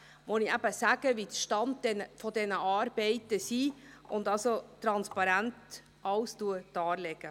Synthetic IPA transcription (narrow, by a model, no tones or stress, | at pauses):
voniæb̥əsæːɡ̥əvitʃtɑnt̚dɛnəfɔdɛnəʔɑːɾb̥ɛɪtəsiːʊndɑlsotɾɑnspɑɾænt | ʔɑwstuəd̥ɑːlɛɡə